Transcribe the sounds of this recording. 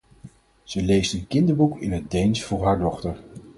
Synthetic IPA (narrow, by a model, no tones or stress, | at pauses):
z̥əlejstənkɪndəɹbukɪ̰nɦədejnsfʊːɹɦaːɹdɔχtəɹ